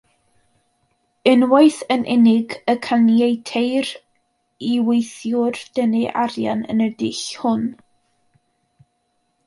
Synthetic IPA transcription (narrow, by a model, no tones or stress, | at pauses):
ɪnwaɨθənʔɛnɪɡəkʰanjejtʰejr | iwejθjʊrd̥ənɪʔaɾja̰nə̰nədɪɬhʊn